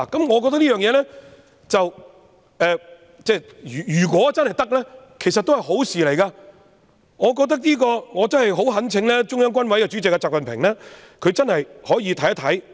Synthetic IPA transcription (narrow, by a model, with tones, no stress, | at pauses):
a˨˩kɐ˨˦mŋɔː˨˧k̬ɔː˧kt̪ɐ˥k̚liː˥jœː˨ŋjɛː˨˧˥lɛː˥ | t͡sɐ˨w | ɛː˨˧ | t͡sɛː˥˩˨ | jyː˨˩kwɔː˨˥t͡sɐ˥nhɐ˨jt̪ɐ˥k̚lɛː˥ | kʰe˨˩sɐ˨t̪̚o˥hɐ˨jɦo˨˥wsiː˨le˨˩jkɐː˧ | ŋɔː˨˧k̬ɔː˧k̚t̪̬ɐ˥k̚liː˥kɔː˧ŋɔː˨˧t͡sɐ˥nɦɐ˨jɦo˨˥wɦɐ˨˥nt͡sʰɪ˨˧ŋlɛː˥t͡ʃʊ˥ŋjœː˥ŋkʷɐ˥nwɐ˨˥jkɛ˧t͡ʃy˨˥t͡sɪ˨kːɐː˧t͡saː˨k̚fɐ˨npʰɪ̰˨˩ŋlɛː˥ | kʰɵ˨˧ɥt͡sɐ˥nhɐ˨jhɔː˨˥jiː˨˧t̪ʰɐ˨˥jɐ˥t̪ʰɐ˨˥j